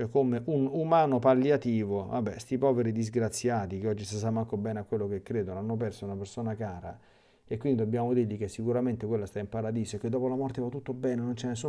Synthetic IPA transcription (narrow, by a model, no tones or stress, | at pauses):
t͡ʃɛkːomeʔunumaːnopalːjat̪iːvova̰bːɛ̰st̪ipɔːveɾid̪izɡɾat̪sːjaːt̪ikeɔd͡ʒːis̬is̬amaŋkobɛːneakːwelːokekːɾeːd̪onoanːop̬ɛrsounapersoːnakaːɾa̰ | ekːwind̪id̪obːjaːmod̪iːɾlikesːikuɾament̪ekwelːast̪aimpaɾad̪iːsoekːed̪ːɔːpolamɔrt̪evat̪ːut̪ːobɛːnenont͡ʃɛnesu